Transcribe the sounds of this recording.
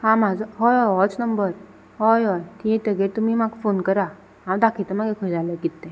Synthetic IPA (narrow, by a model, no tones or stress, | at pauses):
hãmad͡zəɦojɦɔjɦɔt͡snəmbəɾ | ɦojɦɔjt̪iẽt̪əɡet̪umiːmaɡfonkəɾa | ɦãwd̪akʰit̪əmaɡekʰəjd͡zaləɡit̪ːẽ